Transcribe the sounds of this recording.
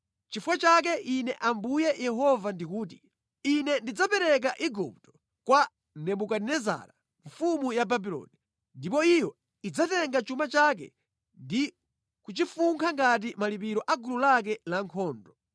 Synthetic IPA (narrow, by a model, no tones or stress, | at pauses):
t͡ʃifwat͡ʃak̬ɛʔinɛʔambujɛjʔɛɦɔvandikuːt̬i | inɛndid͡zapɛɾɛk̬aʔiɡup̚tɔ̥ | kwa | nɛmukadnɛza̰ɾa | ɱfumujababilɔ̰ːni | ndipɔijɔ | id͡zatɛŋɡat͡ʃumat͡ʃak̬ɛ̰ | ndi | kut͡ʃifuŋkʰaŋɡat̬imalip̬iɾɔʔaɡululak̬ɛlaŋkʰɔːndɔ